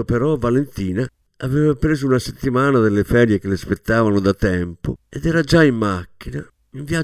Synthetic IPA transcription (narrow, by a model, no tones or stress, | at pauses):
pɛɾɔvalent̪iːna | avɛːvapɾeːzuunaset̪ːimaːnad̪elːefɛɾjek̟elɪspet̪ːaːvanʊd̪at̪ɛmpo̰ɛd̪ɛːɾad͡ʒaimːakːina | iɱvja